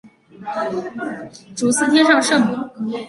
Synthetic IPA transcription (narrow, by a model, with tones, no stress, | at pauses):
ʈ͡ʂu˨˩sɹ̩˥˩t̪ʰjɛ˥nʂɑ˥˧ŋʂɤ˥˩ŋmu˨˥˦